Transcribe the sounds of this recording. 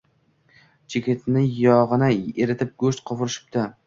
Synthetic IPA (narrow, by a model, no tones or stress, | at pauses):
t͡ʃʰekʲet̪nɪjɒʁɨnaeɾɪt̪ʰɪp̚ɡɵʃt̪̚qʰɒvʊɾɪʃɪ̥p̚d̪a